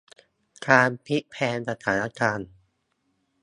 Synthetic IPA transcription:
kʰaː˧npʰi˦˥pʰɛː˧nsa˧t̪ʰaː˩˦na˦˥kaː˧n

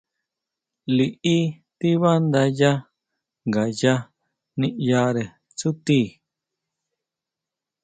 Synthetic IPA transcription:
li˨ʔi˦ | t̪i˦βa˦nd̪a˧ja˦ | ŋɡa˨ja˦ | nĩ˦ʔja˧ɾe˨ | t͡su˦t̪i˦˨

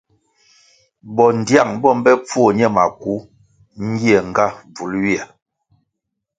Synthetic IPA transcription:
bɔ˨n˨dja˦˨ŋbɔ˦m˦bɛ˦p͡fu˦o˦˨ɲɛ˦ma˨ku˨˦ | ŋ̩˦ɡi˦ɛ˨ŋ˨ɡa˦b͡vu˨˦lwi˦a˨

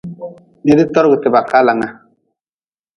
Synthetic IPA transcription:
ne˦di˦tɔ˦ɾɡɨ˨tɪ˨ba˨ka˦la˨ŋa˦

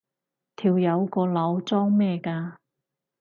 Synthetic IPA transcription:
t̪ʰiː˨˩wjɐ˨˧wkɔː˧lɐ˨˧˥wt͡sɔː˥ŋmɛː˥˧kaː˧

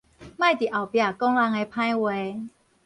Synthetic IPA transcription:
mã˥˧˨jt̪i˨˩ʔa˨˩wpja˧˩kɔ˦ŋla˧ŋe˧pʰã˦jwe˧

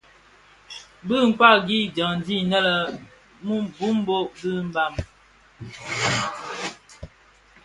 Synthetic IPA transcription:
bɨ˦˨ŋ̩˨kwa˦˨ɡi˦d͡ʒə˨ŋn˨di˦˨nə˦lə˨ | mu˦bu˦m˦bo˦ʔbɨ˦m̩˦ba˦˨m

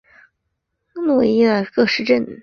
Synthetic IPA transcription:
nu˨˩i˥˩a˨˧˩kɤ˥˧ʂɻ̩˥˧ʈ͡ʂə˥˩n

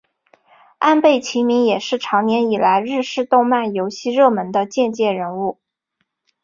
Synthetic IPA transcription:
a˥˧npe˥˩ɪt͡ɕʰi˧˥mi˧˥ŋjɛ˨˩ʂɻ̩˥˩ʈ͡ʂʰɑ˧˥ŋnjɛ˧˥ni˨˩la˧˥ɪɻɻ̩˥˧ʂɻ̩˥˧t̪ʊ˥˧ŋma˥˩njo˧˥ʊɕi˥˧ɻɤ˥˩mə˧˥nd̪ə˧t͡ɕjɛ˥˧nt͡ɕjɛ˥˩ɻə˧˥nu˥˩

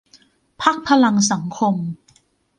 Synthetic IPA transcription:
pʰa˦˥k̚pʰa˧la˧ŋs̬a˩˦ŋkʰo˧m

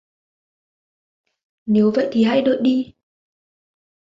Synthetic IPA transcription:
ne˨˦wvə̰˧˨jt̪ʰi˨˩ɦa̰˧jɗo̰˧˨jɗi˧

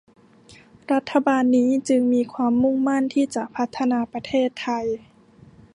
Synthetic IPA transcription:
ɾa˦˥t̪ʰːa˧baː˧nːiː˦˥t͡ɕɯ˧ŋmiː˧kʰwaː˧mːu˥˩˨ŋma˥˩˨nt̪ʰiː˥˩t͡ɕa˧˩ʔpʰa˦˥t̪ʰːa˧naː˧pa˧t̪ʰeː˥˩t̪ʰːa˧j

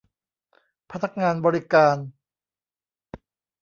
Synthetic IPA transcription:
pʰa˦t̪̚nːa˦˥k̚ŋaː˧nbɔː˧ɾi˦kaː˧n

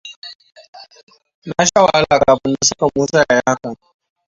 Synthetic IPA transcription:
na˦ʃa˦waː˦la˨kaː˨bɪ˦nːa˦sʊ˦ka˨muː˦saː˨ja˨ja˦ha˦ka˨

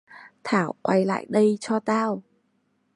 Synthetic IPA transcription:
t̪ʰaː˧˩wkwa˧jla̰ː˧˨jɗə˧jt͡ɕɔ˧t̪aː˧w

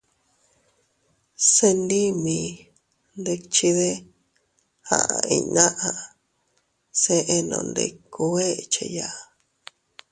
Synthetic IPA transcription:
se˧ndi˦mĩ˧ | nd̪e˧kt͡ʃi˧ðe˦ | ha̰˨ʔa˧˨i˧nã˦ʔã˧ | se˧ʔe˧nõ̰˧nd̪e˧ku˧e˦˨t͡ʃe˧ja˦˨

